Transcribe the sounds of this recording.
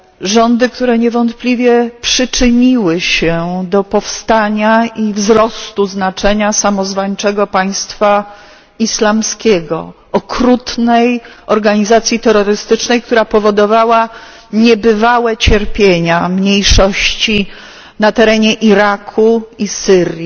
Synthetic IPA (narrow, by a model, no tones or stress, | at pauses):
ʐɔnd̪ɘk̚t̪uɾɛɲɛvɔnt̪plʲivʲjɛpʂɘt͡ʂɘɲiwɘɕɛd̪ɔpɔfst̪aɲaʔivzɾɔst̪uznat͡ʂɛɲasamɔzvaɲt͡ʂɛɡɔpaj̃st̪fa | islamskʲɛɡɔ̰ | ɔkɾut̪nɛjɔɾɡaɲizat̪sʲjit̪ɛɾːɔɾɘst̪ɘt͡ʂnɛjkt̪uɾapɔvɔd̪ɔvawa | ɲɛbɘvawɛt͡ɕɛɾpʲjeɲamɲejʂɔɕt͡ɕi | nat̪ɛɾɛɲɛʔiɾakʰuisɘɾʲji